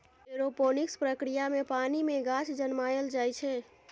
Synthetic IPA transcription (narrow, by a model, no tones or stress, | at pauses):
eɾoponikspɾəkɾijamepanimeɡat͡ʃʰd͡ʒənmajəld͡ʒajt͡ʃʰɛ